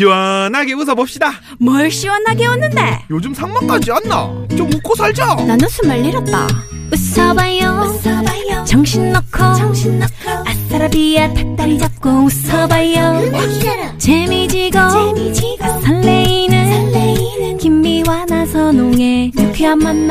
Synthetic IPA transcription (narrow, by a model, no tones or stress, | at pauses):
ɕiwʌnɦaɡeus̬ʰʌbʌp̚ɕ͈ida | mʌɭɕ͈iwʌnɦaɡewʌnːɯnde̞jod͡ʑumsʰaŋmak͈and͡ʑianːa̰t͡ɕomukʰosʰaɭd͡ʑʌnanɯnsʰumaɭːiɾʌt̚t͈a̰ | us͈ʰʌbajjʌ | t͡ɕaŋɕʰinːʌkʰʌ | as͈aɾabijatʰak̚t͈aɾid͡ʑap̚k͈oɯs͈ʌbajjʌ | t͡ɕemid͡ʑiɡʌ | asʰaɭːeinɯn | kimːiwanasʰʌnoŋe̞mupʰiamːanː